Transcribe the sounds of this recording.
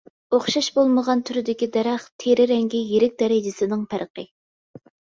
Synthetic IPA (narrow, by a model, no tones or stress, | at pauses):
oχʃɑʃbolˠməʁɑnt̪ʰyɾɪd̪ɪkʲid̪ɛɾɛχt̪ʰeɾɪɾɛŋɡʲijeɾɪk̚ʲd̪ɛɾɪd͡ʒɪsɪnɪŋpʰæɾqə